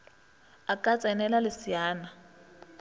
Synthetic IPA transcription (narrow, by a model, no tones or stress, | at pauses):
akʼat͡sʼɛnɛlalɪsijaːna